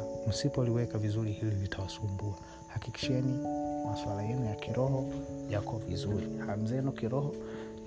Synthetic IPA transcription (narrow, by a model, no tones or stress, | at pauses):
m̩sipɔliwɛkavizuɾihillitʰawasumbua | hakiki̥ʃɛnimaswalajɛnujakʰiɾɔhɔjakʰɔvḭzuɾiham̩zɛnukiɾɔhɔ